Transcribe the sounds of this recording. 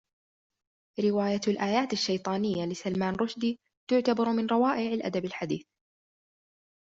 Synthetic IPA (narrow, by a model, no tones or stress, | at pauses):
ɾɪwaːjalʔaːjaːt̪aʃːajt̪ˤɑːnɪjːalɪsalmaːnɾˤʊʃd̪iː | t̪ʊʕt̪abɑɾˤmɪnɾˤɑwaːʔɪʕalʔa̰d̪abalħad̪iːθ